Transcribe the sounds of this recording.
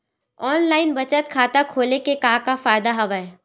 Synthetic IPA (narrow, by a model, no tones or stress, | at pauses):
ɔːnlaːɪnbɐt͡ʃət̪kʰaːt̪akʰoːlekekaːkafaːjd̪aɦɐʋae